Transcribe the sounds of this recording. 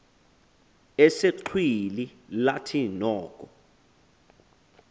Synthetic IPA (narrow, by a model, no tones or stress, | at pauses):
ɛseǃʰwililatʰinɔːkʼɔ